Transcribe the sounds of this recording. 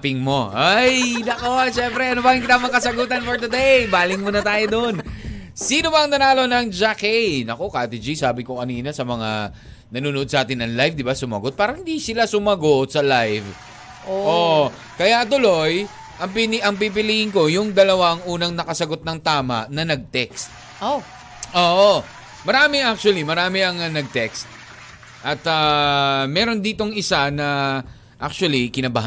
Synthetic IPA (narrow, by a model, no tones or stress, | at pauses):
pɪŋmo̞ʔajnɐko̞ʃɛmpɾɛʔɐnobaɡɪnkɪt̪amɐkɐsɐɡuːt̪̬ɐnfoɹd̪ɐd̪ejbaːlɪŋmonɐt̪aːjod̪on | siːnobɐɐŋnɐnaːlo̞nɐŋd͡ʒakɛjnɐko̞kat̪ɪd͡ʒisaːbɪkokɐniːnɐsɐmɐŋa̰ | nɐnuːnoʔod̪sɐʔaːt̪ɪnːɐŋlajvd̪ɪbasʊmɐ̰ɡot̪̚paːɾɐhɪnd̪isɪlasʊmɐɡot̪̚sɐlajv | ʔoʔo | kɐjat̪ʊlo̞j | ʔɐŋpɪnʔɐŋpip̬ɪlihɪŋko̞jʊŋd̪ɐlɐwaŋʔuːnɐŋnɐkɐsɐɡo̞t̪̚nɐŋt̪aːmɐʔnɐnɐɡ̚t̪ɛkst̪̚ | o | ʔoːʔo | mɐɾaːmɪʔak̚t͡ʃʊwɐlimɐɾaːmɪɐŋɐnɐɡ̚t̪ɛkst̪̚ | ʔɐt̪amɛːɾo̞nd̪iːt̪o̞ŋɪsanɐ | ʔak̚t͡ʃʊwɐlikɪnɐbahɦ